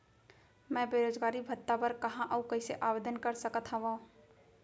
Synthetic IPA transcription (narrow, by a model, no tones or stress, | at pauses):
mɛ̃ːbeːɾoːd͡ʒɡaːɾibʱət̪ːapəɾkɐɦãʔəukɐiseʔaːʋeːd̪ənkəɾsəkət̪ʰɦãʋa